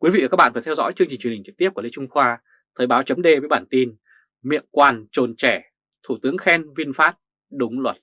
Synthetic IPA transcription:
kwi˨˦vḭː˧˨˩a˦˥ɓa̰ː˧˨vəː˧˩t̪ʰɛ˧wzɔ̰˧˥jt͡ɕɨ˧ə˧ŋt͡ɕï˨˩t͡ɕwə˩˨ï˨˩ŋt͡ɕɨ˨˩k̪̚p̚kːli˨˧˦t͡ɕʊ˧ŋ͡mxwaː˧ | t̪ʰəː˨˩jɓaː˨˦wt͡ɕə˨˦mɗe˧və˨˦jɓaː˧˩nt̪i˧n | mḭ˧˨ənkwaː˨˩nt͡ɕo˨˩nt͡ɕɛ˧˩ | t̪ʰu˧˩t̪ɨ˨˦əŋxɛ˧nvi˧ənfaː˦˥t̚ | ɗʊ˨˦ŋ͡mlwə˨˩t̚

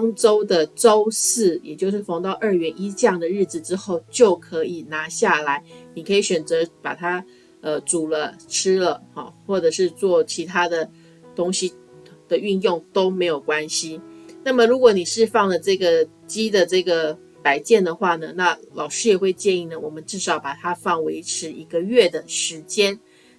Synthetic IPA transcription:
ŋʈ͡ʂo˥ʊd̪ə˨ʈ͡ʂo˥ʊsɹ̩˥˩jɛ˨˩t͡ɕjo˥˧ʊʂɻ̩˥˩fɑ˧˥ŋt̪ɑ˥˧ʊʔə˞˥˩ɥɛ˧˥nʔi˥t͡ɕjɑ˥˩ŋd̪ə˩ɻɻ̩˥˩d͡z̩˨˩ʈ͡ʂɻ̩˥xo˥˧˩ʊt͡ɕjo˥˩ʊkʰɤ˧˦˥i˨˩na˧˥ɕja˥˩la˧˦ɪni˨˩kʰɤ˧˥i˨˩˦ɕɥɛ˨˩nt͡sɤ˧˥˦pa̰˨˩t̪ʰa˥ | ə˧˩ʈ͡ʂu˨˩lə˦ʈ͡ʂʰɻ̩˥lə˨xɔ̰˨˩xwɔ˥˩ʈ͡ʂɤ˨˩ʂɻ̩˥˧t͡swɔ˥˩t͡ɕʰi˧˥t̪ʰa˥d̪ə˨ | t̪ʊ˥ŋɕi˦ | d̪̥ə˨y˥˧njʊ˥˩ŋt̪o˥ʊme˧˥ɪjo˨˩ʊkwa˦nɕi˧na˥˩mə˨ɻu˧˥kwɔ˧˦ni˨˩ʂɻ̩˥˧fɑ˥˩ŋlə˩ʈ͡ʂɤ˥˩ɡə˩ | t͡ɕi˥d̪ə˨ʈ͡ʂɤ˥˩ɡə˩ | pa˧˩ɪt͡ɕjɛ˥˩nd̪ə˩xwa˥˩nə˩na˥˩lɑ̰˨˩ʊʂɻ̩˥jɛ˨˩xwe˥˧ɪt͡ɕjɛ˥˧ni˥˩nə˩wɔ˨˩mə˦nʈ͡ʂɻ̩˥˩ʂɑ˨˩ʊpa˨˩t̪ʰa˥fɑ˥˩ŋwe˧˥ɪʈ͡ʂʰɻ̩˧˥i˧˥ɡə˧ɥɛ˥˩d̪ə˩ʂɻ̩˧˥t͡ɕjɛ˥n

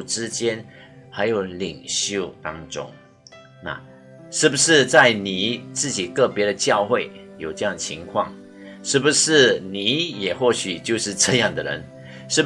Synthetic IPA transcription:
ʈ͡ʂɻ̩˥t͡ɕjɛ˥n | xa˧˥ɪjo˨˩˦ʊli˨˩ŋɕjo˥˩ʊt̪ɑ˥ŋʈ͡ʂʊ̰˥ŋ | na̰˥˧ | ʂɻ̩˥˩bu˩ʂɻ̩˥˧t͡sa˥˩ɪni˨˩t͡sɹ̩˥˩t͡ɕi˨˩kɤ˥˩pjɛ˧˥ɾə˨t͡ɕjɑ˥˧ʊxwe˥˩ɪjo˨˩ʊʈ͡ʂɤ˥˧jɑ˥˩ŋə˩t͡ɕʰḭ˧˥ŋkʰwɑ̰˥˩ŋ | ʂɻ̩˥˩bu˧˩ʂɻ̩˥˩ni˨˩˦jɛ˨˩xwɔ˥˩ɕy˨˩t͡ɕjo˥˧ʊʂɻ̩˥˧ʈ͡ʂɤ˥˧jɑ˥˩ŋd̪ə˩ɻə̰˧˦n | ʂɻ̩˥˩

